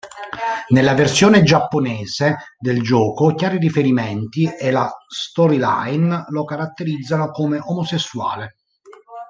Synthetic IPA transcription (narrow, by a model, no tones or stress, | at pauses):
nelːaversjoːned͡ʒapːonɛːzed̪eld͡ʒɔːkokjaːɾirifeɾimɛnt̪ielast̪ɔɾila̰jnlokaɾat̪ːeɾid̪zːanokomeʔomosesːua̰ːle